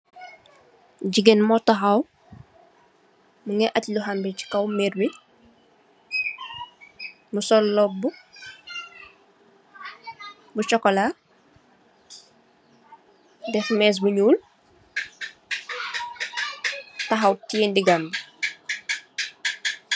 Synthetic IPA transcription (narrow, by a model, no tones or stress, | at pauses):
ɟiɡenmɔtaxɐw | muŋɛʔacluɦambici̥kɐwmɛɾbi | musɔlːɔb̚bu | but͡ʃɔkːɔla | dɛxmɛːs̬buɲuːl | tɐxɐwtiːndiɡambi